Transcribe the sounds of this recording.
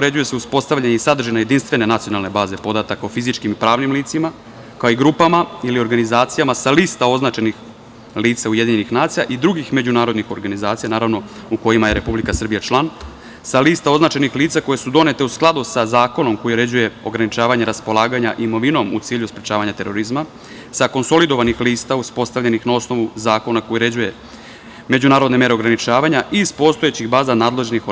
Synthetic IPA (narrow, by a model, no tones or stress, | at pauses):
ɾe̞d͡ʑuje̞seuspo̞st̪aʋʎaɲeisad̪r̩ʒenaje̞d̪inst̪ʋe̞ne̞nat̪sijo̞nalˠne̞baːze̞po̞d̪at̪akaofizit͡ʃkimipɾaːʋnimliːt̪sima | kaoiɡɾupamailio̞ɾɡanizaːt̪sijamasaliːst̪ao̞znat͡ʃe̞nix | liːt̪saujed̪iɲenixnaːt̪sijaʔid̪ɾuɡixme̞d͡ʑunaːɾo̞d̪nixo̞ɾɡanizaːt̪sijanaːɾaʋno̞uko̞jimaje̞ɾe̞publikasr̩bijat͡ʃlˠan | saliːst̪ao̞znat͡ʃenixliːt̪sako̞je̞sud̪o̞ne̞t̪e̞usklˠad̪usazaːko̞no̞mko̞jiɾe̞d͡ʑuje̞o̞ɡɾanit͡ʃaːʋaɲeɾaspo̞lˠaːɡaɲaʔimo̞ʋino̞mṵt̪siːʎuspɾʲet͡ɕaːʋaɲat̪e̞ɾo̞ɾizma | sako̞nso̞lid̪o̞ʋanixliːst̪auspo̞st̪aʋʎenixnao̞sno̞ʋuzaːko̞nako̞jiɾe̞d͡ʑuje̞ | me̞d͡ʑunaːɾod̪ne̞me̞ɾe̞oɡɾanit͡ʃaːʋaɲaʔispo̞st̪o̞et͡ɕixbaːzanaːd̪le̞ʒenixo